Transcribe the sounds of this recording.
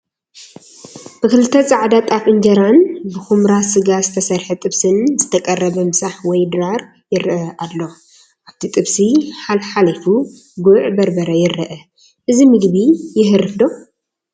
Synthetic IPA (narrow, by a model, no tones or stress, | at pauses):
b̥ɨkɨlɨt̪ʰːɐt͡sʼaʕd̪at̪ʼafʼɨnd͡ʒɐɾanbɨxumɾasɨɡazɨt̪ʰɐsɐɾħɨt̪ʼɨβsɨnzɨt̪ʰɐkʼɐrːɐβɐmɨsaħwɔjd̪ɨɾaɾ | jɪɾʔɐʔalːo̞ | ʔaβt̪ʰit̪ʼɨβsiħalħalifu | ɡuʕbɐɾbɐɾɐjɪɾɨʔɐ | ʔɨzimɨɡbijɪɦɨɾɨfd̪o̞